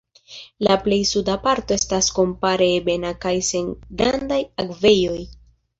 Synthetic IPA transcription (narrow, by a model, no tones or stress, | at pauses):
laple̞jsudapaɾto̞e̞stasko̞mpaɾe̞be̞nakajse̞ŋɡɾandajakve̞jo̞j